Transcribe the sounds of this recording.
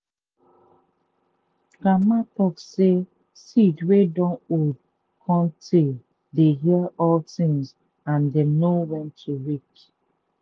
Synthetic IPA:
ɡamatɔkse | sidwedɔ̃nod̚ | kʰɔ̃ntʰe | deɦiɛɔltĩŋz | ãndenowɛ̃ntʰuɹik

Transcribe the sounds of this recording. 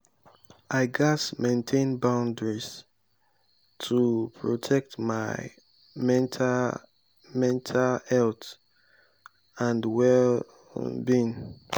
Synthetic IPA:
aɪɡasmẽntʰẽnbãʊ̃ndɹis | tʰupʰɹɔtʰɛk̚tmaɪ | mɛ̃ntʰa | mɛ̃ntʰalhɛlt | ãndwɛl | bĩn

